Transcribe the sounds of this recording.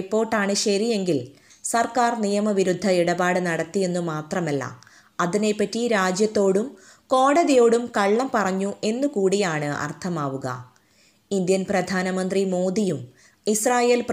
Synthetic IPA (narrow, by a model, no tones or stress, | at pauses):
ipːo̞ːʈːaːɳɨɕɐɾije̞ŋɡil | sɐrkaːrnijɐmɐʋiɾud̪ʱːɐiɽɐbaːɽɨnɐɽɐt̪ːije̞nːumaːt̪rɐmɐlːɐ̰ | ɐðine̞pːɐtːiɾaːd͡ʑjɐt̪ːo̞ːɽum | ko̞ːɽɐðijo̞ːɽumkɐɭːɐmpɐrɐɲːue̞nːukuːɽijaːɳɨɐ̰rt̪ʰɐmaːʋuɣɐ̰ | ind̪jɐnprɐd̪ʱaːnɐmɐnd̪rimo̞ːðijum | israːjeːlp